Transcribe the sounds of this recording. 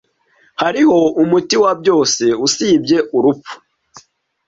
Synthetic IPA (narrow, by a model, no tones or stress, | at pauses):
haɾiho̞umutiwabɟo̞ːse̞usiːbɟe̞ʔuɾup͡fu̥